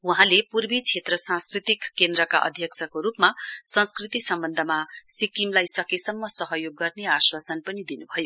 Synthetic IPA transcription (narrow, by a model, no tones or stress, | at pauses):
uɦãlepurbit͡sʰet̪rʌsãnskrit̪ikːend̪rʌka̰ʔʌ̰d̪ʱjʌkt͡sʰʌkoɾupmasʌ̃nskrit̪isʌmbʌnd̪ʱʌmasikimlajsʌkisʌmːʌsʌɦʌjoɡːʌrneaswasʌnpʌnid̪inubʱʌjo